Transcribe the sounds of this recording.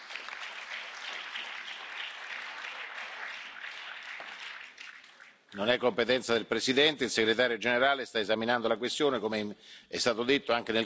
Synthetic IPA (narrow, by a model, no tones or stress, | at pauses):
nonɛkːompet̪ɛnt̪sad̪elpɾesid̪ɛnt̪eilseɡɾet̪aːɾjod͡ʒeneɾaːlest̪aezaminand̪olakwest̪joːnekomeɛst̪aːt̪od̪et̪ːoaŋk̟enel